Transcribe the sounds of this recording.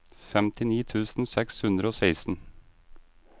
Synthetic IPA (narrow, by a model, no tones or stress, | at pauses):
fɛmt̪ʰɪniːt̪ʰʉːsn̩sɛkshʉnd̪ɾəoːseɪsn̩